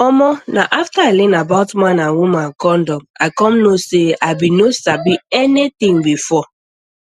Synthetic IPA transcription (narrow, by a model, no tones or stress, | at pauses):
ɔmɔnaʔaftaalĩnabaʊtmãnãnwumãnkɔndɔmaɪkɔmnoseaɪbinosabiɛnit̪ĩŋbifɔ